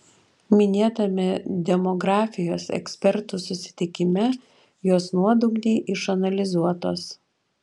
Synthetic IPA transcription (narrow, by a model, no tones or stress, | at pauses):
mʲɪnʲeːt̪ɐmʲɛd̪ʲɛmɔɡɾɑːfʲɪjoːsɛ̰ksʲpʲɛɾt̪usʊsʲɪ̥t̪ʲɪkʲɪmʲɛ | joːsnuɔd̪ʊɡd̪ʲɛɪʔɪʃɐnɐlʲɪzuɔt̪oːs